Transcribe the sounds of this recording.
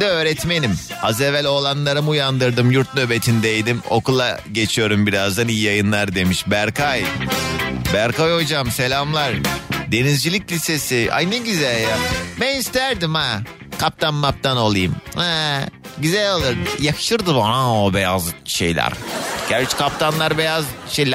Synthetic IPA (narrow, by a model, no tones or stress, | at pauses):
d̪ɛøːɾɛt̪me̞nim | hazɛvɛlʲo̞lˠanlˠaɾɯmujand̪ɯɾd̪ɯmjuɾt̪̚nøbet̪ʰind̪ɛjd̪imo̞̰kʰulˠa | ɟe̞t͡ʃʰijo̞ɾumbiɾazd̪anijijajɯnlˠaɾd̪e̞miʃbæɾkʰaj | bæɾkajo̞d͡ʒamse̞lʲamlˠaɾd̪e̞nizd͡ʒilʲiclʲise̞siʔa̰jneɟyzælʲjabænist̪ʰæɾd̪ima | kʰap̚t̪ʰanmap̚t̪ʰanolˠɯjɯmɛɟyzælʲalˠɯɾjakʰɯ̥ʃɯɾd̪ɯbaaobejazʃe̞̰jlʲæ̰ɾɟ̥æɾt͡ʃkʰap̚t̪ʰanlˠaɾbejazʃejlʲ